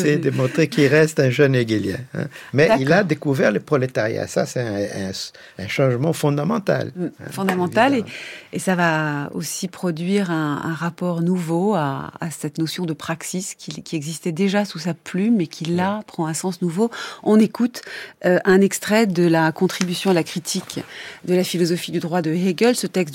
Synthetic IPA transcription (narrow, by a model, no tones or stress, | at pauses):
sɛd̪əmɔ̃t̪χekilʁɛst̪ɛ̃ʒœneɡiljɛ̰̃ɛ̰̃mɛdailad̪ekuvɛʁlepχɔlet̪aʁja̰sa̰sɛɛ̃ | ɛ̃ʃɑ̃ʒmɑ̃fɔ̃d̪amɑ̰̃t̪a̰lfɔ̃d̪amɑ̃t̪aleesavao̰sipχɔd̪ɥiʁɛ̃ɛ̰̃ʁapɔʁnuvoa̰ːsɛt̪nosjɔ̃d̪əpχaksiskʲʰilkʲiɛɡzist̪ɛd̪eʒasusaplymekʲʰilapχɑ̃ɛ̃sɑ̃snuvoɔ̃nekut̪øʔɛ̃nɛkst̪χɛd̪əlakɔ̃t̪χibysjɔ̃d̪lakχit̪ʰikd̪əlafilɔzɔfid̪yd̪ʁwad̪əeɡʲœlsət̪ɛks̬t̪